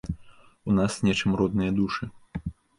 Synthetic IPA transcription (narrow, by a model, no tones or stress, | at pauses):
unasnʲɛt͡ʂɨmɾɔd̪nɨjɐd̪uʂɨ